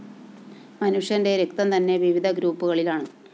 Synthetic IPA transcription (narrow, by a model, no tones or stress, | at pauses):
mɐnuʂjɐnde̞ɾukt̪ɐmt̪ɐnːe̞ʋiʋid̪ʱɐɡɾuːpːuɣɐɭilaːɳɨ